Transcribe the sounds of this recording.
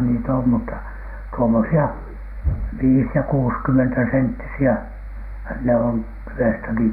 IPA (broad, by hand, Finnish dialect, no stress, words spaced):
nit om mutːɑ tuomosiɑ ʋiːs jɑ kuːskymːentæsentːisiæ ne on tyw̆estæki